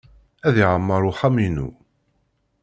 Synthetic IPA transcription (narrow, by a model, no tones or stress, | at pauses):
æðiʕəmːɑɾˤuħaminṵ